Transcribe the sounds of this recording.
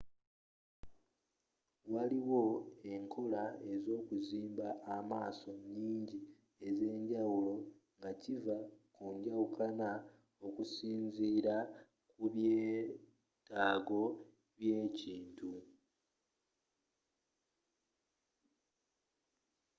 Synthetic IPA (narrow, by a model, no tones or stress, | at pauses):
waliwo̞e̞ŋkʰo̞lae̞zo̞ːkuziːmbaʔːmaːso̞ɲiːɲɟi | e̞ze̞ːɲɟawulo̞ŋɡacivakuɲɟawukana | o̞kusiːnziːɾa | kuβjeː | taːɡo̞ | βje̞ːciːntu